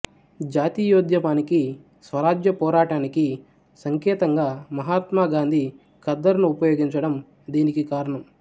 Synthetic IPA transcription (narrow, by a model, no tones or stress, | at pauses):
d͡ʒaːt̪iːjoːd̪jɐmaːniki | sʋɐɾaːd͡ʒjɐpɔːɾaːʈaːniki | sɐŋkɛːt̪ɐŋɡaːmɐɦaːt̪maːɡaːnd̪ʱi | kɐd̪ːɐɾnuupɐjoːɡiɲt͡ʃɐɽɐm | d̪iːnikikaːɾɐɳɐm